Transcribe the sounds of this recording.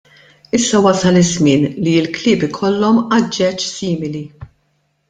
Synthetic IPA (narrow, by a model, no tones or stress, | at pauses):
ɪsːɐwɐsɐlɪzmɪːnliɪlklɪːpɪkʰɔlːɔmɐd͡ʒːɛt͡ʃsiːmɪli